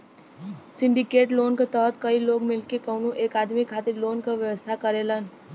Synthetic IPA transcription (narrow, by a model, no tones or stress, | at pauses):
sɪ̃ɳɖikeːʈlonkat̪əɦət̪kəiloɡmɪlkekəwnuʔeːkad̪mikʰat̪iɾloːnkaʋjəʋəst̪ʰakəɾelən